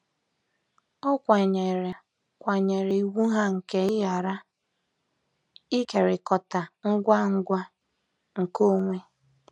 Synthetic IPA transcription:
ɔ˦kʷa˨ɲe˨ɾe˨ | kʷa˨ɲe˨ɾe˨i˨wu˦ɦa˦ŋ̩˨ke˦ɪ˦ja˨ɾa˦ | i˦ke˨ɾɪ˨kɔ˨ta˨ŋ̩˦ɡʷa˦ŋ̩˦ɡʷa˦ | ŋ̩˨ko˦ŋʷe˦

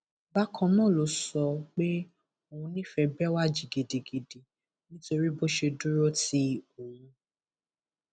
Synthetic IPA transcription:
ba˦kʰɔ̃˧nɔ̃˦˨lo˨˦sɔ˧k͡pe˦ | o˦˧wũ˧nĩ˦fɛ˧bɛ˦wa˦˨d͡ʒi˨ɡe˨de˨ɡe˨de˨ | nĩ˦to˧ɾi˦bo˦ʃe˧du˦ɾo˦ti˦o˨wũ˧

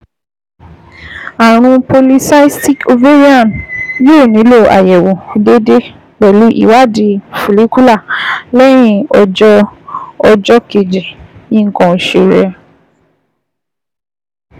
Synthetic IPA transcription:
a˨ɾ̃ũ˧po˧li˧sa˦i˦ti˦ko˧ve˦ɾi˦ã˦˨njo˦˨nĩ˨˦lo˦˨ʔa̰˨jɛ˨wõ˨de˦de˦ | ɡ͡bɛ˨lu˨˦ʔḭ˦˨wa˦˨di˧˨fu˨li˨˦ku˦la˦˨lɛ˦j̃ĩ˦ɔ˧d͡ʒɔ˦ɔ˧d͡ʒɔ˦ke˨d͡ʒi˨nĩ˦ŋ̩˨kɔ̃˨˧˨ʃe˧˨ɾɛ˧

